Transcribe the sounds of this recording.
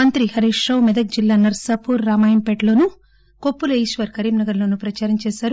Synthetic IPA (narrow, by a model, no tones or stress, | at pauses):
mɐnt̪ɾihɐɾiːʂɾɐwmɛd̪ɐk̚d͡ʒilːaːnɐɾsaːpuːɾːaːmaːjɐmpeʈlo̞ːnu | kopːuleːʃʋɐɾkɐɾiːmnɐɡɐɾlo̞ːnupɾɐt͡ʃaːɾɐmt͡ʃɛːsaːɾu